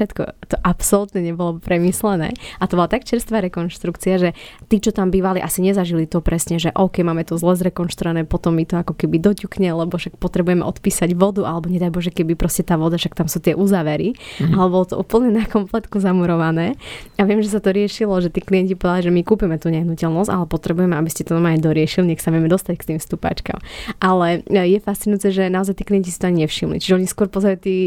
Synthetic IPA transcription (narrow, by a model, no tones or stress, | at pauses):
ɛt̪kɔ̰t̪ɔʔapsɔlut̪ɲɛɲɛbɔlɔpɾɛmislɛnɛ̰ːʔat̪ɔbɔlat̪akt͡ʃɛɾst̪ʋaːɾɛkɔnʃt̪ɾukt͡siaʒɛt̪iːt͡ʃɔt̪ambiːʋaliʔasiɲɛzaʒilit̪ɔpɾɛsɲɛʒɛʔɔʊkɛjmaːmɛt̪ɔzlɛzɾɛkɔnʃt̪ɾuʋanɛːpɔt̪ɔmːit̪ɔakɔkɛbid̪ɔcukɲɛlɛbɔʃak̚pɔt̪ɾɛbujɛmɛʔɔt̪piːsaɟʋɔd̪uʔalɛbɔɲɛd̪ajbɔʒɛkɛbipɾɔscɛt̪aːʋɔd̪aʃak̚t̪amsuːt̪ɪɛʔuzaːʋɛɾialɛbɔlɔt̪ɔʔuːpl̩ɲɛnakɔmplɛt̪kuzamuɾɔʋanɛːaʋɪɛmʒɛs̬at̪ɔɾɪɛʃilɔʒɛt̪iːklijɛɲcipɔʋɛd̪aliʒɛmikuːpimɛt̪uːɲɛɦnucɛlnɔsca̰lɛpɔt̪ɾɛbujɛmɛabiscɛt̪ɔnamaɲɛd̪ɔɾɪɛʃiliɲɛxsaʋɪɛmɛd̪ɔst̪ackt̪iːmfst̪upa̰t͡ʃka̰mʔalɛjɛfast̪t͡sinʊjut͡sɛʒɛnaɔzajt̪iːklijɛɲcisi̥t̪ɔaɲiɲɛfʃimlḭt͡ʃiʒɛɔɲiskʊɔɾpɔzaɾit̪iː